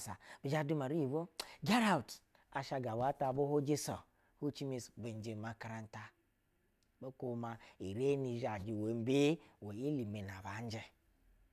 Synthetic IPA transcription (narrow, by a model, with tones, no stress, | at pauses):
sa˨b̥i˨d͡ʒa˦du˦ma˨ɾi˦˨βo˦ɡa˦ɾa˦˨u˨t | a˨ʃa˧ɡa˨wa˦ta˨bo˦ho˦d͡ʒi˦sɔ˨ | hu˦t͡ʃi˦mi˦sbe˨n˦d͡ʒe˨ma˨ka˨ɾa˦n˦ta˦ | bo˦ko˦ma˨i˨ɾe˦ni˨ʒa˨d͡ʒi˨we˨˦m˦be˦wo˨i˦li˨me˨na˨ba˨˦n˦d͡ʒɛ˦